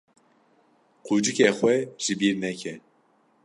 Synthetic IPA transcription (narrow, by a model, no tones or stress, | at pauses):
qʰuːd͡ʒɨkexwɛʒ̥ɨbiːɾnɛkʰɛ